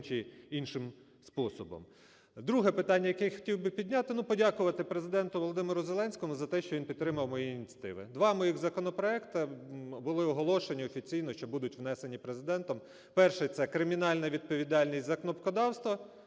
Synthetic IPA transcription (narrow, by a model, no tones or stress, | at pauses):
t͡ʃɪinʃɪm | spɔsɔbɔ̰m | d̪ɾuɦɛpɪt̪ɑnʲːɐjɐkɛxɔ̥tʲiwbɪpʲidʲnʲat̪ɪnupɔdʲakʊʋɐt̪ɪpɾezɪd̪ɛnt̪ʊʋɔlˠɔd̪ɪmeɾʊzelˠɛnʲsʲkɔmʊzɐt̪ɛʃt͡ʃɔʋʲinpʲidt̪ːɾɪmɐwmɔjiːnʲt͡sʲɐt̪ɪ̰ʋɪ̰d̪ʋɑmɔjixzɐkɔnɔpɾɔɛkt̪ɐbʊlˠɪɔɦɔlˠɔʃenʲiɔfʲit͡sʲijnɔʃt͡ʃɔbud̪ʊtʲʋnɛsenʲipɾezɪd̪ɛnt̪ɔm | pɛrʃɛt̪sɛkɾɪmʲinɑlʲnɐʋʲid̪̚pɔʋʲid̪ɑlʲnʲisʲtʲzɐknɔpkɔd̪ɑwst̪ʋɐ